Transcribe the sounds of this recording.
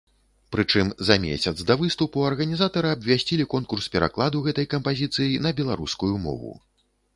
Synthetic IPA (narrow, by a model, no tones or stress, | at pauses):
pɾɨt͡ʂɨmzɐmʲḛsʲɐt̪zd̪ɐvɨst̪upuɐrɣɐnʲizat̪ɐɾɨɐbvʲasʲt͡sʲilʲikɔnkurspʲɛɾʔa̰klˠad̪uɣɛt̪ɐjkɐmpazʲit̪sɨjinɐbʲɛlˠaɾuskujumɔ̰vṵ